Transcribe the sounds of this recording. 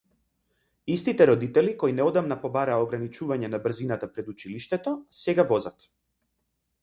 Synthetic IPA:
ist̪it̪ɛɾɔd̪it̪ɛlikɔjnɛɔd̪amnapɔbaɾaːɔɡɾanit͡ʃuvaɲɛnabr̩zinat̪apɾɛd̪ut͡ʃiliʃt̪ɛt̪ɔsɛɡavɔzat̪

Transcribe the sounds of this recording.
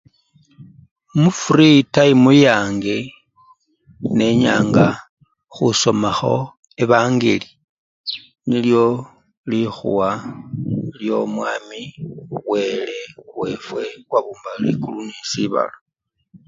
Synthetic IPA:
mufuritaimujaːŋɡe | ne̞ɲaːŋɡa | xuso̞maxo̞ | e̞βaːŋɡḛli | niljo̞ | lixṵwa | ljo̞mwaːmiwe̞le̞we̞fwe̞βwaβuːmbalḭkulunisiβa̰la

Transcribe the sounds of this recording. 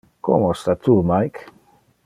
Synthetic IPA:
ko̰most̪at̪umajk

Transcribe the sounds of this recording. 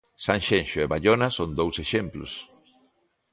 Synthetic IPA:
sãŋʃẽnʃʊeβaʎonasond̪owseʃemplʊ̰s

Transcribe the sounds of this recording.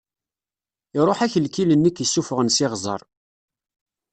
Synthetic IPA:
ɪɾˤoħæçəlkilənːikːəsːufəʁənsɪʁzˤə̰ɾˤ

